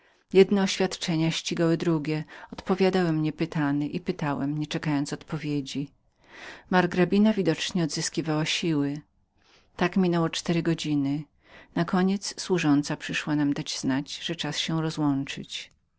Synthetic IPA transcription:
jɛd̪nɛɔɕfʲjat̪t͡ʂɛɲaɕt͡ɕiɡawɘd̪ɾuɡʲɛɔt̪pɔvʲjad̪awɛmɲɛpɘt̪anɘʔipɘt̪awɛmɲɛt͡ʂɛkajɔ̃nt̪sɔt̪pɔvʲjed͡ʑi | maɾɡɾabʲinavʲid̪ɔt͡ʂɲɛɔd̪zɘskʲivawaɕiwɘ | t̪akmʲinɛwɔt͡ʂt̪ɛɾɘɡɔd͡ʑinɘ | nakɔɲɛt̪sswuʐɔnt̪sapʂɘʂwanamd̪ad͡ʑznad͡ʑʐ̥ɛt͡ʂasɕɛɾɔzwɔnt͡ʂɘt͡ɕ

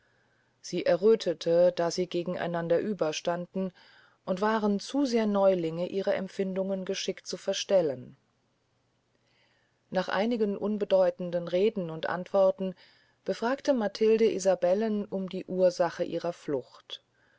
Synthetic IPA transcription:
z̥iːʔɛɐʁøːtʰətʰəd̥aːziːɡeːɡŋ̩ʔa̰ɪnandɐʔyːbɐʃtandn̩ | ʔʊntv̥aːʁənt͡suːzeːɐnɔʏlɪŋəʔiːʁɐʔɛ̰mfɪndʊŋənɡəʃɪktt͡sufɛɐʃtɛlən | naːχʔa̰ɪnɪɡənʔʊnbədɔʏtn̩dənʁeːdn̩ʊntʔa̰ntv̥ɔɐtn̩ | b̥əfʁ̥aːktəmatʰɪldəʔḭzabɛlənʊmdiːʔuːɐzaχəʔḭːʁɐflʊçt

